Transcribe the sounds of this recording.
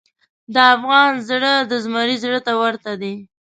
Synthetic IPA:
d̪əafɣɑnzɽəd̪əzmɑɾizɽət̪awəɾt̪ad̪e

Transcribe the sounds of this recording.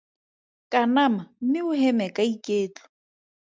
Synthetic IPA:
kʼanamam̩mɪʊhɛmɛkʼaikʼeːt͡ɬɔ̥

